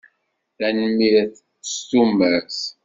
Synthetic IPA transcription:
ænmːiɾθ | ə̥st̪umæs

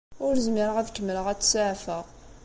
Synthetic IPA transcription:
ʊɾzmiɾəʁæðkːəmːələʁæt͡sːsʊʕfəʁ

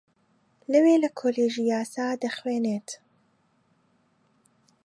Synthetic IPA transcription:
lɐweːlɐkʰoːleːʒijaːsaːd̪ɐxweːneːt̪

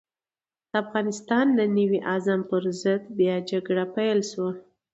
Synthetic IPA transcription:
d̪̥əafɣɑnɪst̪ɑnd̪ənəwiʔazampəɾzəd̪bjɑd͡ʒaɡɽapajlʃwa

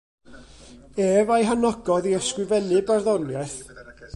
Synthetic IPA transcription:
eːvajɦanɔɡɔðiəskrɨvɛlɨbarðɔnjaθ

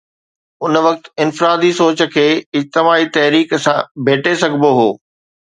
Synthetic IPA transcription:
ʊnʋɐk̚t̪ɪnfɾaːd̪isoːt͡ɕə̆kʰeːɪd͡ʑt̪ɪmaːit̪ɐɦɾiːksãbʱeːʈʰesɐɡʱboɦoː

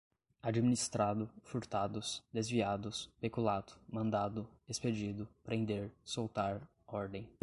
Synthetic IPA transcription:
ad͡ʒiminist̪ɾad̪ʊfuɾt̪ad̪ʊsd̪ezviad̪ʊspekulat̪ʊ̥mɐ̃nd̪ad̪ʊesped͡ʒid̪ʊpɾʔẽnd̪eɾsowt̪aɾ | ɔɾd̪ẽj̃

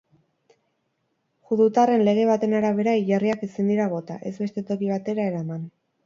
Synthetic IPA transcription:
xuðut̪are̞nle̞ɣ̞e̞β̞at̪e̞naɾaβe̞ɾaiʎariakesind̪iɾaβo̞t̪a̰ʔe̞zβe̞st̪e̞t̪o̞kiβ̞at̪e̞ɾae̞ɾaman

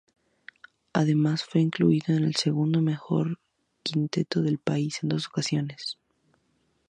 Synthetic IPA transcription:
aðe̞masfwe̞iŋklṵiðo̞ene̞lse̞ɣund̪ome̞xo̞̰ɾ | kint̪e̞t̪o̞ðe̞lpaise̞nd̪o̞so̞kasjo̞ne̞s

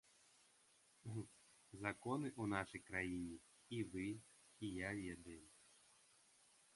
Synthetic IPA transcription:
zɐkɔnɪʔunɑʃijkɾɐjinʲi | iʋɪ | ijajad̪ɛm

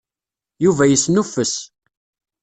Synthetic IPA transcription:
juvæjəsnufəs

